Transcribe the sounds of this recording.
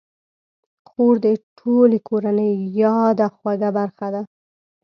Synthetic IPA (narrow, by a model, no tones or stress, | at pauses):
xoɾd̪əʈʰolekʰoɾanəjːɑd̪axwaɡabaɾxad̪a